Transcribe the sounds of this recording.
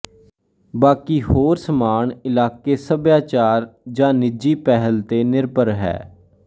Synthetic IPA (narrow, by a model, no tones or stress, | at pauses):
baːkiːhoːɾsəmaːɳɪlaːkeːsəbjaːt͡ʃaːɾd͡ʒãːnɪd͡ʒiːpɛɦəlt̪eːnɪɾbəɾɦɛ̰ː